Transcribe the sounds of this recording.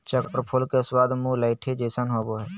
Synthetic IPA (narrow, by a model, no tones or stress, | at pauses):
t͡ʃəkpɾpʰʊlkeswaːd̪mũləɪʈʰed͡ʒeːsənɦoboɦɛː